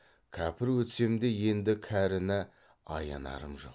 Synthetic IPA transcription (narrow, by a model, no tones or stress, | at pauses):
kʲʰæpɪɾwɵt̪se̞md̪e̞je̞nd̪ɪkʲʰæɾɪnɪ | ɑjɑ̰nɑ̰ɾəmʒo̞̰q